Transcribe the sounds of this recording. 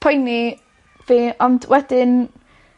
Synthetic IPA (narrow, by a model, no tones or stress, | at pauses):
pʰʊjni | viːɔndwʔɛd̥ɪn